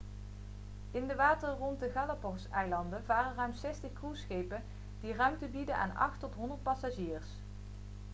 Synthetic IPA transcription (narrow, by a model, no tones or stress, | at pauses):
ɪndəʋaːtərrɔntdəχɑlapɔrsɛjlɑndənʋaːrərœɥmtsɛstəχkrusχejpən | d̥irœɥmtəbidəna̰ːnɑ̰χtɔtɦɔndəɹt̚pɑsaʒiːrs